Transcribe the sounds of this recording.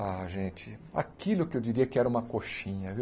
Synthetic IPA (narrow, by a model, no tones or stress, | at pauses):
aʒẽt͡ʃɪa̰kilʊkɪewd͡ʒiɾiɐkɪɛɾɐũmɐkoʃĩɲɐviw